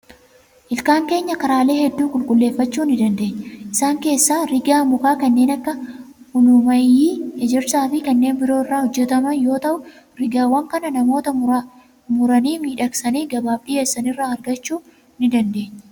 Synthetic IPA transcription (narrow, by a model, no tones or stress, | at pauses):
ʔɪlkaːŋke̞ːɲːɐkɐɾaːle̞ːhɛd̪ːuːkʼʊlkʼʊlːe̞ːfːɐt͡ʃːuːnɪd̪ɐnd̪e̞ːɲːɛʔɪsaːŋke̞ːsːaːɾɪɡaːmʊkaːkɐnːe̞ːnɐkːɐ | hʊnʊmɐjːiːhɛd͡ʒɛɾsaːfɪkɐnːe̞ːnbɪɾo̞ːɪrːaːhɔd͡ʒːɛt̪ɐmɐnjo̞ːt̪ɐʔʊ | ɾɪɡaːwːɐŋkɐnɐnɐmo̞ːt̪ɐ | mʊɾɐniːmiːᶑɐksɐniːɡɐbaːbᶑɪjeːsːɐnɪrːaːɐɾɡɐt͡ʃːuː | nɪd̪ɐnd̪e̞ːɲː